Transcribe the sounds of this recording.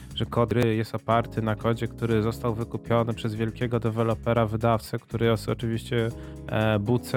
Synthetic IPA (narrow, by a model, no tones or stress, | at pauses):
ʐɛkɔd̪ɾɘjɛst̪ɔpaɾt̪ɘnakɔd͡ʑɛkt̪uɾɘzɔst̪awvɘkupʲjɔnɘpʂɛzvʲjɛlkʲɛɡɔd̪ɛvɛlɔpɛɾavɘd̪aft̪sɛkt̪uɾɘɔsɔt͡ʂɘvʲiɕt͡ɕɛ | but̪sɛ